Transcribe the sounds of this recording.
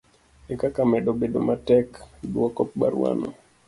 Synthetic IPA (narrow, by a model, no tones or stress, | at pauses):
ekakamɛdobedo̰matɛkdwɔkɔp̚baɾwa̰nɔ̰